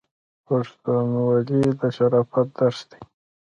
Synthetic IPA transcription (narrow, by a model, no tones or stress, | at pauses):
paʂt̪unwalid̪əʃaɾɑfat̪̚d̪aɾsd̪̥e